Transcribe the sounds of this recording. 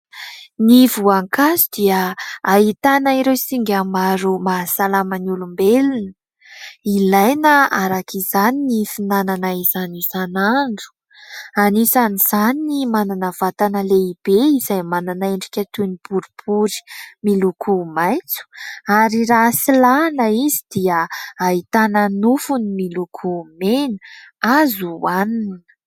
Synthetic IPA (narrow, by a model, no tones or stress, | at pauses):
nivuaŋkazid̪iaaɦit̪anaiɾewsiŋɡʲamaɾumasalamaniulumbelunə | ilajnəaɾakʰizaninifinananaizanizanaɳɖ͡ʐu̥ | anisaniz̥aninimananəv̥at̪anəleib̥eizajmananaeɳɖ͡ʐikʲət̪unib̥uɾubuɾi̥milukʰumajt͡su̥aɾirasilanəizid̪̥iəait̪anənufunimilukʰumenəazuaninə̥